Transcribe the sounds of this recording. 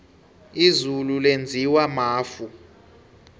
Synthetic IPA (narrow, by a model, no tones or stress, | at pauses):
izululend͡zʱiwamaːfu